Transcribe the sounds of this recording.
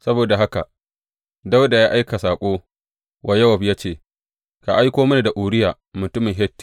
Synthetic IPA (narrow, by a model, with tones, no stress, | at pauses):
sɐ˦boː˨da˨ɦa˦ka˨ | da˦wda˨jaː˦ʔa˦jka˨saː˨kʷʼoː˦ | wʔa˨jɐ˦wɐ˨ɸjaː˦t͡ʃeː˦˨ | ka˨ʔa˦jkʷoː˦mɐ˦ni˨da˨ʔʷuː˨ɽɪ˦jaː˨ | mʊ˨tʊ˦mɪ˨ŋɦɛ˦tː